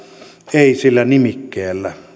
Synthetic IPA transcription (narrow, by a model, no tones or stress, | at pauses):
eˑisilːænimikːeːlːæ